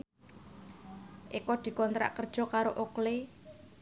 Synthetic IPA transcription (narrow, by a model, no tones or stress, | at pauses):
ʔekɔd̪̥i̤kɔnt̪ɾa̰ʔkərd̥ʒ̥ɔ̤kaɾoʔokle